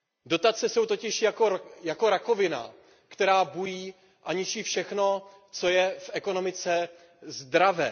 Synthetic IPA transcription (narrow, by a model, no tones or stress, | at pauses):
do̞t̪at͡sɛso̞wt̪o̞cɪʃjakojako̞ɾako̞vɪna̰ | kt̪ɛɾaːbujiː | ʔaɲɪt͡ʃiːfʃɛxno̞ | t͡so̞jɛfʔɛko̞no̞mɪt͡sɛ | zdɾavɛ̰ː